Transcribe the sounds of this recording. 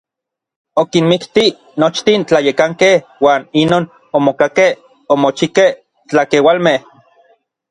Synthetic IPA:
okinmikt̪i | not͡ʃt̪int͡ɬajekaŋkehwaːninoːn | omokakeh | omot͡ʃikeh | t͡ɬakewalmeh

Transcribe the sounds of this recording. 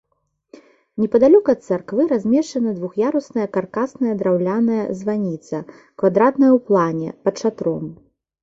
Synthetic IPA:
nʲɛpɐd̪alʲɔkɐɐt̪̚sarkvɨɾazʲmʲɛʂt͡ʂɐnɐd̪vuxjaɾusnɐjɐkarkasnɐjɐd̪ɾawlʲanɐjɐ̰zvanʲit̪sɐ | kvad̪ɾat̪nɐjɐwplˠanʲɛ̰pɐt͡ʂat̪ɾɔm

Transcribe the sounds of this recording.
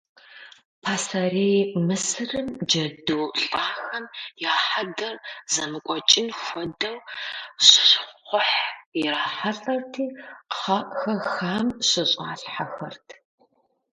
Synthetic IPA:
pʰaːsɐreːjmɨsɨrɨmd͡ʒɐdɨwɬʼaːxɐmjaːħadɐrzɐmɨkʷʼɔt͡ʃʼɪnxʷɔdɐwɕʼɕχʷʊħiraːħaɬʼɐrtʰiːqəχɐʔʼxɐxaːmɕɪɕʼaːɬħaxɐrtʰ

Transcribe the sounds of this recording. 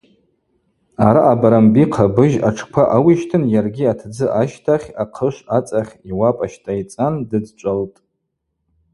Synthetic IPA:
aɾaʔːbaɾambiqʰabɨʒaʈ͡ʂʰkʷʰaʔawiʃtʰɨnjarɡʲiatʰd͡zɨʔaʃtʰaχʲaqʰəʃʷat͡sʼaχʲiwapʼaʃtʰʼait͡sʼandɨd͡zt͡ʃʷʼaltʼ

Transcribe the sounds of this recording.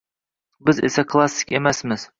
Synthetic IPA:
bɪzḛsakʰlˠasːɪ̥kʲemasmɪz̥

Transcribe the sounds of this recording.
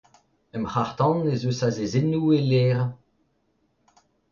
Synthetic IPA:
ɛmχaʁt̪ɑ̃nezøsazezenueleːʁã

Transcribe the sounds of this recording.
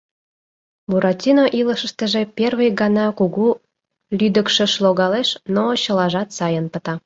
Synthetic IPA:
buɾɑt̪ʲinoʔiləʃə̆ʃt̪ə̆ʒĕpʲerβəjɡɑnɑkuɣu | lʲyd̪ə̆kʃĕʃloɣɑleʃnot͡ɕə̆lɑʒɑt̪sɑjənpə̆t̪ɑ

